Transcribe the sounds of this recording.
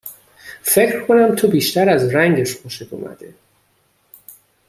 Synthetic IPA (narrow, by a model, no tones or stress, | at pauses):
fe̞cʰɾ̥kʰonæmt̪ʰobiːʃt̪æɾæzɾæŋɟeʃmʰoʃek̪ʰo̰mæ̰d̪ḛ